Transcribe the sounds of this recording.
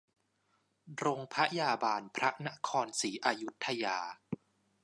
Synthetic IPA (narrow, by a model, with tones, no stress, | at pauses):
ɾo˧ŋpʰa˦˥jaː˧baː˧npʰɾa˦˥na˦˥kʰɔː˧nsiː˩˦ʔaː˧ju˦˥t̪ʰːa˧jaː˧